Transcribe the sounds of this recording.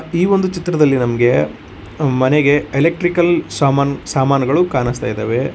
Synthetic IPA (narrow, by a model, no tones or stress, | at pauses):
iːʋo̞nd̪ut͡ʃit̪ɾɐd̪ɐlːinɐmɐɡe̞ | mɐneɡe̞elek̚ʈɾikɐlsaːmasaːmaːnɐɡɐɭukaːnɐst̪aːjd̪ḛːʋe̞